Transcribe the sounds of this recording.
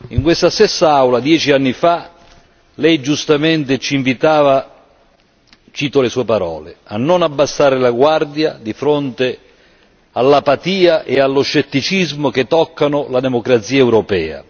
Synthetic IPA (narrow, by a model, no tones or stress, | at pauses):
iŋkwest̪ast̪ɛsːaawlad̪jɛːt͡ʃianːifa | lɛjd͡ʒust̪ament̪ɪt͡ʃiiɱvit̪aːva | t͡ʃiːt̪olesuːepaɾɔ̰ːlḛa̰nːʊnabːasːaːɾɪlaɡward̪jad̪ifɾont̪e | alːapat̪iːaʔealːoʃːet̪ːit͡ʃizmʊk̟et̪ːɔkːanʊlad̪emokɾat̪siːaɛwɾopɛːa̰